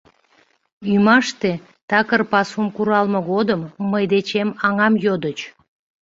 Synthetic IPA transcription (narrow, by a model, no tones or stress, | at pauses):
ymɑʃt̪e | t̪ɑkərpɑsumkuɾɑlmoɣod̪əmːəjd̪et͡ɕemɑŋɑmjod̪ət͡ɕ